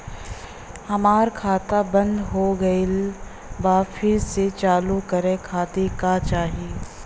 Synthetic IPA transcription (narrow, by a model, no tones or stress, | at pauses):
hɐmaːɾkʰaːt̪abɐ̃nd̪ɦoɡɐil | baːfɪset͡ʃaːlukɐɾẽkʰaːt̪ekat͡ʃaːɦieː